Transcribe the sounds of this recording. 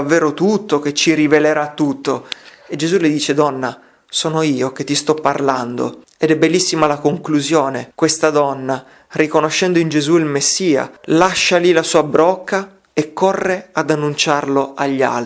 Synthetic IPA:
avːeːɾot̪ut̪ːok̟et͡ʃːiɾiveleɾat̪ːut̪ːoed͡ʒezuled̪iːt͡ʃed̪ɔnːa | sɔːnoiːok̟et̪ːist̪ɔpːarland̪o̰ | ed̪ɛbːelːisːimalakoŋkluzjoːnekwest̪ad̪ɔnːa | rikonoʃːɛnd̪oind͡ʒezuilmesːiːa̰laʃːalilasuːabɾɔkʰːa | ekːɔrːead̪anːunt͡ʃarloʔaʎːa̰lt̪

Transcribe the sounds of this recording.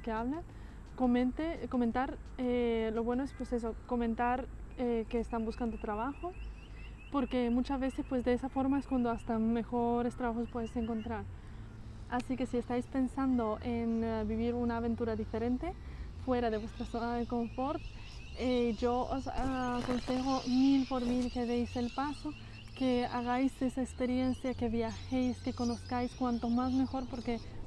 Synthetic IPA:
keaβla | koment̪eko̞ment̪aɾelo̞βwe̞noespweses̬o̞ko̞ment̪aɾekeːst̪ambuskand̪ot̪ɾaβ̞axo | po̞ɾke̞mut͡ʃazβe̞sespwe̞zd̪e̞esafo̞ɾmaeskwand̪oast̪ame̞xoɾe̞st̪ɾaβaxospwe̞ðese̞ŋko̞nt̪ɾaɾ | asike̞siest̪ajspe̞nsand̪o̞ʔenbiβiɾunaːβent̪uɾaðifeɾent̪efweɾaðeβwest̪ɾasonaðekõɱfoɾt̪ | eʒoosakonsexomilpoɾmilkeðejselpaso | kea̰ɣajsesaekspeɾjensjakeβjaxejskekonoskajskwant̪omaz̬mexo̞ɾpoɾke

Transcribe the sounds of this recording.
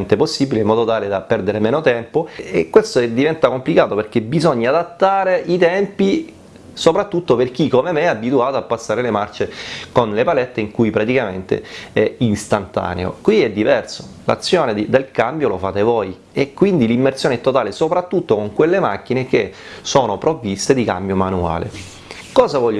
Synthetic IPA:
nt̪eposːibileimːɔːd̪ot̪aːled̪apɛrd̪eɾemeːnot̪ɛmpoekːwest̪od̪ivɛnt̪akomplikaːt̪operk̟ebizoɲːaaːd̪at̪ːaːɾeit̪ɛmpi | sopɾat̪ːut̪ːoperk̟ikːomemeabːit̪uaːt̪oapːasːaːɾelemart͡ʃekonlepalɛt̪ːeiŋkujpɾat̪ikament̪ḛɛinst̪ant̪a̰ːnḛo̰kwiɛd̪ːivɛrso̥la̰t̪sːjoːned̪id̪elkambjolofaːt̪evoːj | ekːwind̪ilimːersjoːnɛt̪ːot̪aːlesopɾat̪ːut̪ːokoŋkwelːemak̟ːinek̟e | soːnopɾovːist̪ed̪ika̰mbjomanua̰ːlḛ | kɔːzavɔʎː

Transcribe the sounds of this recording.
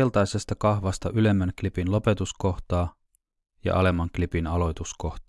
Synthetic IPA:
elt̪ɑjsest̪ɑkɑxʋɑst̪ɑʔyle̞mːænklipinlo̞pe̞t̪usko̞xt̪ɑː | jɑ̰ʔɑ̰le̞mːɑŋklipinɑlo̞jt̪usko̞ht̪ː

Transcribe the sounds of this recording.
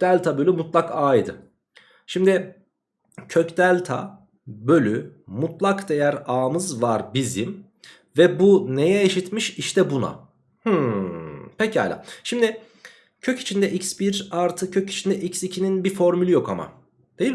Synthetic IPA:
d̪̥ælʲt̪ʰabølʲymut̪lˠakaːjd̪ɯ̰ | ʃimd̪ɪ | cʰøcd̪ælʲt̪ʰa̰ | bø̞lʲymut̪lˠakd̪e̞jæɾaːmɯzvaɾbizim | vɛbune̞jɛeʃit̪miʃiʃt̪ɛbuna̰ | hɯ | pʰɛcia̰ːlʲa̰ːʃimd̪ɪ | cʰøci̥t͡ʃʰind̪ɛʔicsbiɾaɾt̪ʰɯcʰøci̥t͡ʃʰind̪ɛʔicsicʰininbifo̞ɾmylʲijo̞kʰama̰ | d̪̥ejil

